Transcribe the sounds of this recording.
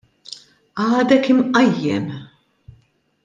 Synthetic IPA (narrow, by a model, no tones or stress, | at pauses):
ɐːd̪ɛkɪmʔɐjːɛ̰m